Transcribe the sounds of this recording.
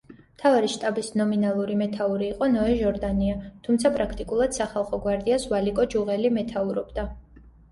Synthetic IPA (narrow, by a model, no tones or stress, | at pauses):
mt̪ʰavaɾiʃt̪ʼabisnɔminalˠuɾimɛt̪ʰauɾiːqʼɔnɔɛʒɔɾd̪aniat̪ʰumt̪sʰapʼɾakʰt̪ʼikʼulˠad̪̥saχalˠχɔɡwaɾd̪iasvalikʼɔd͡ʒuʁɛlimɛt̪ʰauɾɔbd̪a